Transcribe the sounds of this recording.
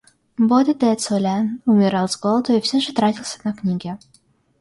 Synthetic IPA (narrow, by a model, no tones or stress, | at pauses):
bod̪ʲəd̪ɛt̪solʲanʊmʲɪɾɑlˠzɡolˠd̪oifsʲeʐɨt̪ɾatʲilˠsʲə̥nɐknʲiɡʲɪ